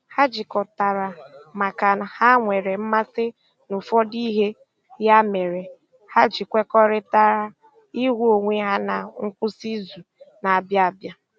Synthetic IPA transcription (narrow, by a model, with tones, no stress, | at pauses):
ha˦d͡ʒi˨kɔ˨ta˨ɾa˨ma˨ka˨n˨ha˦ŋʷe˨ɾe˨m̩˦ma˦sɪ˦ | nu˨fɔ˦di˦ɦe˦ | ja˦me˨ɾe˨ | ha˦d͡ʒi˨kʷe˦kɔ˦ɾɪ˦ta˦ɾa˦ | i˦ɦʷu˦o˨ŋʷe˦ɦa˦na˨ŋ̩˦kʷʊ˦si˦zu˨na˨a˨bja˦a˨bja˦